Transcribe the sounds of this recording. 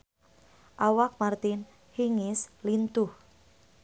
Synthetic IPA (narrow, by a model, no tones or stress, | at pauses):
ʔawak̚mart̪ɪn | hiŋɪslint̪ʊh